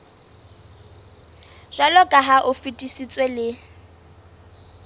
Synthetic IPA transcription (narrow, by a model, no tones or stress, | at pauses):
ʒ̥alɔkʼaɦaʔʊfitʼisit͡sʼwelɪ